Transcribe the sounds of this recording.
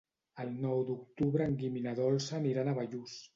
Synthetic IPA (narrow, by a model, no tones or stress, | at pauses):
əlˠnɔwd̪uk̚t̪uβɾəːŋɡiminaðɔlˠsaniɾanaβaʎus